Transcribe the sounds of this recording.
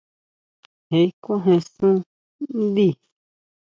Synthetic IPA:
he˨i˦kõ˦ɦẽ˧sũ˦ | nd̪i˦˨

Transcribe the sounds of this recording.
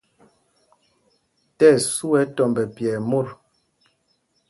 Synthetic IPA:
tɛ˦˨su˦ɛ˨˦tɔ˨mbɛ˨pjɛ˨mo˦˨ɾ

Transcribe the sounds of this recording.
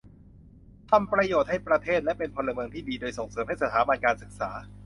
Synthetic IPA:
t̪ʰa˧mpɾa˧joː˨˩t̪̚ha˥˩jpɾa˧t̪ʰeː˥˩t̪̚lɛ˦˥pe˧npʰɔ˧la˧mɤː˧ŋt̪ʰiː˥˩diː˧doː˧jso˨˩ŋsɤː˩˦mha˥˩jsa˨˧t̪ʰaː˩˦ba˧nkaː˧nsɯ˨˩k̚sa̰ː˩˦

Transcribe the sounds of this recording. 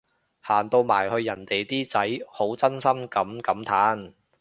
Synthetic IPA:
haː˨˩nt̪o˧wma̰ː˨˩jhɵ˧ɥjɐ˨˩nt̪e˨jt̪iː˥t͡sɐ˨˥jho˨˥wt͡sɐ˥nsɐ˥mkɐ˨˥mkɐ˨˥mt̪ʰaː˨˥n

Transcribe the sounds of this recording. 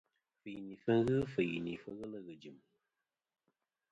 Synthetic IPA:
fɨ˨ni˨fə˦ŋ˦ɣɨ˦fɨ˨jni˨fə˦ɣə˦lə˦ɣɨ˨d͡ʒi˨m

